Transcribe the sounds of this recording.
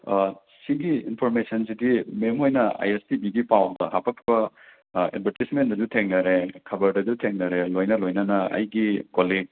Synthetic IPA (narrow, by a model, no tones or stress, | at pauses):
siɡiinpʰoɾmesɐnzidimemɦojnɐa̰jestibiɡipawndɐɦapʰɐk̚tʰibɐ | ḛd̚bʱɐɾtismendɐd͡ʒutʰeŋnɐɾekʰɐbɐɾdɐd͡ʒutʰeŋnɐɾelojnɐlojnɐnɐɐ̰jɡikoliɡ̚